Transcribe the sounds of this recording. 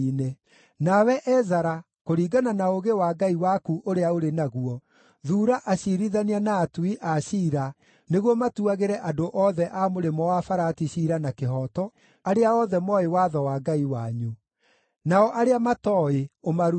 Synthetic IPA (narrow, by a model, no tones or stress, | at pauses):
ne | nawɛʔɛzaɾa | koɾiːɡananaoɣewaːɡaiwakuʔoɾeaoɾenaɣuɔ | ðuːɾaʔaɕiɾiðanianaːtuiʔaɕiːɾa | neɣwɔmatuaɣeɾɛʔadoʔɔðɛʔamoɾemɔwafaɾatiɕiɾanakeɦɔtɔ | aɾeaɔðɛmɔewaðɔwaːɡaiwaɲu | naɔʔaɾeamatɔeomaɾu